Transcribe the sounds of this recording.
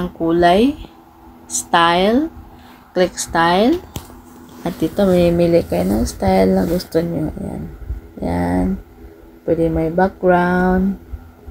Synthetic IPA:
aŋkulaj | st̪ajl | klikst̪ail | at̪it̪ɔmimilikːajnast̪ailnaɡust̪unɲuja̰nja̰n | pədimajbak̚ɡɾawn

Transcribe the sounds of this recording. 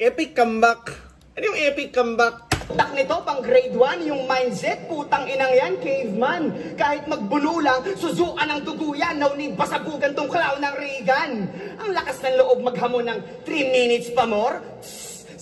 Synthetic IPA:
ʔɛːpɪkːɐmbak | ʔɐnojʊŋʔɛːpɪkːɐmbak̚t̪ɐk̚nɪt̪o̞pɐŋɡɾɛjd̪wanjʊŋmajnd͡ʒɛt̪̚puːt̪ɐŋʔɪnɐŋjankejvmankaːhɪt̪̚mɐɡ̚bʊluːlɐŋsʊzuːʔɐnɐŋt̪ʊɡuːjɐnlːɐwnipɐsɐbuːɡɐnt̪ʊŋklawnɐŋɾiːɡɐnʔɐŋlɐkasnɐŋloʔo̞b̚mɐɡ̚hɐmonɐŋ | t̪ɾiːminɪt̪spɐmoɾ

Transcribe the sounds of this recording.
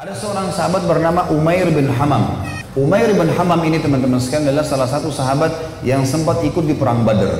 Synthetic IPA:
ʔadasəoɾaŋsaɦabat̪̚bərnamaʔumaɪrbɪnɦamam | ʔumaɪrbɪnɦamaminit̪əmənt̪əməskanadalahsalasat̪usaɦabat̪̚ | jaŋsəmpat̪̚ikʊt̪̚dipəɾaŋbadə̰r

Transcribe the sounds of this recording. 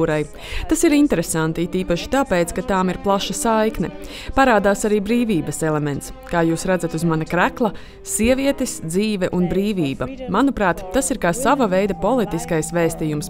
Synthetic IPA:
ɾaj | t̪asiɾint̪ɛɾesant̪iit̪iːpaʃi̥t̪aːpeːt̪skat̪aːmiɾplˠaʃɐsajknɛ̰ | paɾaːd̪aːsaɾiːbɾiːviːbɐsɛlˠɛmɛ̃nt̪s | kaːjuːsɾad̪zat̪uzmanɐkɾæklˠɐ | siɛviɛt̪esd̪ziːvɛʔunbɾiːviːbɐmanupɾaːt̪ːasiɾkaːsavɐvejd̪ɐpɔlˠit̪iskajsvɛːst̪ijums

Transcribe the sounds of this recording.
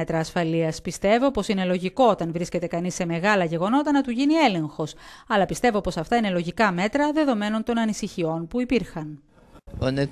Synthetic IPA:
et̪ɾɐːsfɐliɐspist̪e̞vo̞po̞sine̞lo̞ʝiko̞ot̪ɐnvɾisce̞t̪e̞kɐnisːe̞me̞ɣɐlɐʝe̞ɣo̞no̞t̪ɐnɐt̪uʝinie̞le̞ŋxo̞sɐlɐpist̪e̞vo̞po̞sɐft̪ɐine̞lo̞ʝikɐme̞t̪ɾɐðe̞ðo̞me̞no̞nt̪o̞nɐnisiçio̞npuipiɾxɐn | one

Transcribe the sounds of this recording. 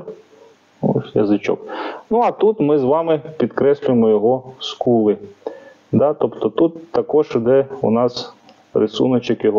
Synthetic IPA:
jɐ̰zɪt͡ʃʲɔ̰knuɐt̪ut̪mɪzʋɑmɪpʲid̪kɾɛsʲlʲʊjemɔjɔɦɔskulˠɪ | d̪ɑt̪ɔpt̪ɔt̪ut̪ːɐkɔʒd̪ɛṵnɑs | rɪsṵnɔt͡ʃɪkjɔɦɔ

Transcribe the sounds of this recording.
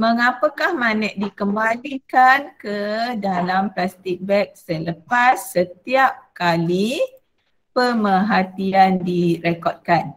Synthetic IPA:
məŋapəkahmanɛʔ̚dikəmbalikankədalamplast̪ik̚bɛk̚sələpasːət̪iap̚kali | pəməɦat̪iandiɾekɔd̚kan

